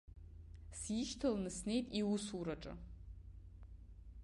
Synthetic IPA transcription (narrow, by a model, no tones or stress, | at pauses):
sjiʃtʰalnɨsne̞jtʼiusuɾaʈ͡ʂʼa̰